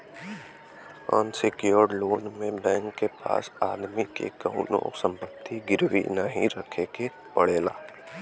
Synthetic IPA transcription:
ənsɪkjoɾɖloːnmẽbɛ̃ːŋkːepa̰ːsaːd̪mikḛkəʊnõ̰sə̃mpət̪ʰːiɡɪɾʋḭnəɦḭ̃ɾəkʰeke | pəɽeːla̰ː

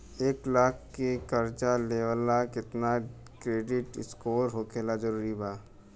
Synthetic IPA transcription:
eːklaːkʰkːekɐɾt͡ʃaleːʋəlakɪt̪na | kɾeːɖɪʈɪskoːɾɦoːkeːlad͡ʒɐɾuːɾibaː

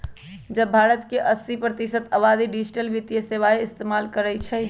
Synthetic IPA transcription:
d͡ʒəbbʱaɾət̪keʔəsːipɾət̪isət̪əbad̪iɖid͡ʒʈəlʋit̪jəseʋaeɪst̪emalkəɾɛt͡ʃʰɛ

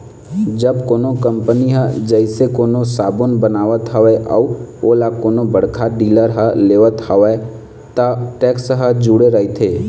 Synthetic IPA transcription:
d͡ʒəbkoːnokə̃mpəniɦəd͡ʒəɪsekoːnosaːbʊnbənaːʋət̪ɦəʋɛʔə̰oːlakoːnobəɽkʰaɖiːləɾɦəleːʋət̪həʋɛ | t̪əʈɛːksɦəd͡ʒuːɽeɾəit̪ʰeː

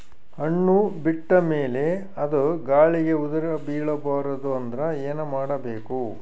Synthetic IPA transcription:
ɐɳːubiʈːɐme̞ːle̞ | ɐd̪uɡaːɭiɡe̞ud̪ɐɾɐbiːɭɐbaːɾɐd̪uɐnd̪ɐɾɐeːnɐmaːɽɐbeːku

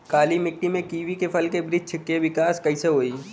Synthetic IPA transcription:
kaːlimɪk̚ʈːimẽkiːʋikepʰɐlkebɾɪd͡ʒt͡ʃʰɪkːeʋɪkaːskɐiseɦoːiː

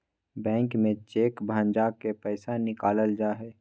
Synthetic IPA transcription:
bɛ̃ːŋkmẽt͡ʃeːkbʱãːnd͡ʒaːkepɛːsanɪkaːləld͡ʒaːɦɛː

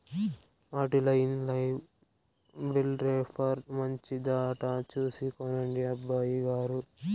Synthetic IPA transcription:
aːʈilɐjinlɐj | bilɾeːpʰɐɾmɐɲt͡ʃid̪aːʈat͡ʃuːsikonɐɳɖiɐbːaːjiɡaːɾu

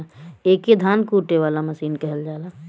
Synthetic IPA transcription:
eked̪ʱankuʈːeʋalaməsiːnkəɦəld͡ʒala

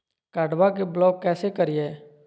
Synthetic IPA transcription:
kaːɖʋak̬eblɔːkkːɛːsekəɾijeː

